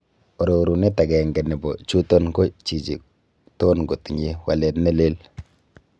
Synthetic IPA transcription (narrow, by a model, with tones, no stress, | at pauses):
o˨ɾo˨ɾu˨ne˦ta˨ɡɛ˨ŋɡɛ˨nɛ˨bo˨t͡ʃu˦to˦nko˦t͡ʃi˨t͡ʃi˨ | to˦nɡo˨ti˨ɲe˦wa˨le˨tnɛ˦le˦l